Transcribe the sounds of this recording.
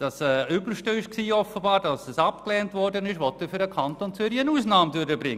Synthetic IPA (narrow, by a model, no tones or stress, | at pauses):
d̥ɑsɛːʏbəʃtəɪʃksiːɔfəbɑːɾdɑsɛsɑpklɛːntvɔɾdənɪʃʋɔtːəfyɾdəkʰɑntont͡sʏɾiənuːsnɑːmdøɾəbɾɪŋ